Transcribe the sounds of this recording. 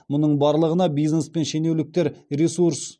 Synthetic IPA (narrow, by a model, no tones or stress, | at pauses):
mʊnəɴbɑɾlˠəʁənɑbijznespe̞nʃene̞wlɪk̚t̪eɾɾʲesuɾs